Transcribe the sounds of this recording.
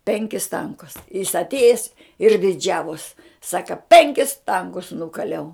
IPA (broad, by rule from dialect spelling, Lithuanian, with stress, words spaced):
ˈpʲɛŋʲkʲɪs ˈtɐŋkʊs jɪs ɐtʲˈeːjɛs ɪr dʲɪˈd͡ʒʲæːʋoːs ˈsɑːkɐ ˈpʲɛŋʲkʲɪs ˈtɐŋkʊs ˈnʊkɐlʲɛʊ